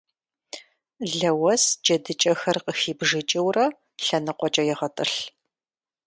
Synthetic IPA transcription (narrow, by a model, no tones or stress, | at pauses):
ɮɐwɐsd͡ʒɐdɨt͡ʃʼɐxɐrqəxiːbʒɨt͡ʃʼɪwrɐ | ɬɐnɨqʷʼɔt͡ʃʼɐjɛʁɐtʼɨɬ